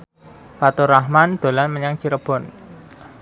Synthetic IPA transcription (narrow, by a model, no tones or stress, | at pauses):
fat̪uɾahmand̪̥o̤lanməɲaŋt͡ʃiɾəb̥ɔ̤n